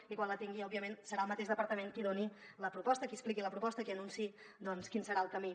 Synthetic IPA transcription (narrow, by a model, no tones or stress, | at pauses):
ikwanlət̪iŋɡiɔbiəmensəɾaəlˠmət̪eʃdəpəɾt̪əmeŋkiðoniləpɾupɔst̪əkiəsplikiləpɾupɔst̪əkiənunsi | d̪ɔnskinsəɾaəlˠkəmi